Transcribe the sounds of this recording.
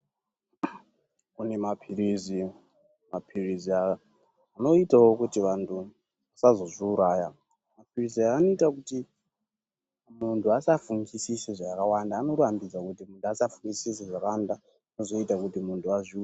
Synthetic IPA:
kune̞mapʰiɾizi | mapʰirizia | ano̞itawokutiʋantʰu | asazo̞zʷiuɾaːja | mapʰiriziaːno̞itakuti | muntʰuasafuŋɡisisiʐakawandaːno̞ɾambid͡zakutimuntuasafuŋɡisisiʐakaanda | nozo̞itakutimuntʰuazʷi

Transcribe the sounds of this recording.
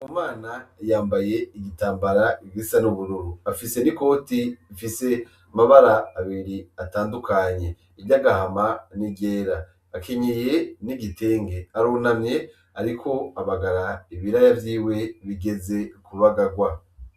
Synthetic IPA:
umaːnajaːmbaje̞iɡitaːmbaɾaiɡisanuβuɾuɾuafise̞niko̞ːtiifise̞ | amaβaɾaːβiɾiataːndukʰaɲe̞ | ivɟaɡahamaniɡeːɾa | akeɲeje̞niɡite̞ːŋɡe̞aɾunamɲe̞ | aɾikʰo̞aβaɡaɾaiβiɾajavjiːwe̞βiɡe̞ze̞kuɾuaɡaɡwa

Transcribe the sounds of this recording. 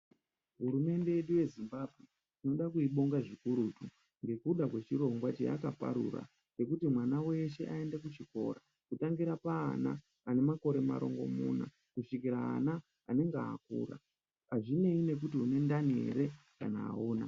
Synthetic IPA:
ɦuɾume̞nde̞jeɗuje̞zimbabʱwe | ino̞ɗakuiɓo̞ŋɡaʐikuɾutu | ŋɡe̞kuɗakwe̞t͡ʃiɾo̞ŋɡwat͡ʃḛa̰kapa̰ɾṵɾa̰ | ke̞kutimwanawe̞ʃe̞̰ʔae̞ndekut͡ʃiko̞̰ɾa | kutaŋɡiɾapa̰ːna̰ː | ne̞mako̞ɾe̞ma̰ɾo̞̰ŋɡo̞̰mṵːna̰ | kuʂikiɾa̰ːna | a̰ne̞ŋɡaakṵːra̰ | aʐine̞ine̞k̬utiune̞ndanḛɾe̞ka̰na̰ːuːna

